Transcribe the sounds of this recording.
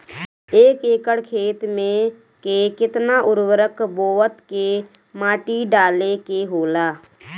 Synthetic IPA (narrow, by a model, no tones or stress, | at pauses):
eːkeːkəɽkʰeːt̪mẽ | kekɪt̪naʔʊɾwəɾəkboːət̪ke | mãːʈiɖaːlekeɦoːlaː